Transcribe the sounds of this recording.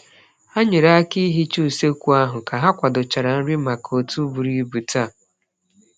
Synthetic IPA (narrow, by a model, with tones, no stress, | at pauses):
a˦ɲɪ˨ɾa˦ki˦ɦi˦t͡ʃu˦˨se˦kʷu˦a˦ɦʊ˨ka˨ɦa˦kʷa˨dʊ˨t͡ʃa˨ɾa˨n̩˦ɾɪ˦ma˨ko˨tu˦bu˨ɾi˦bu˨ta˦˨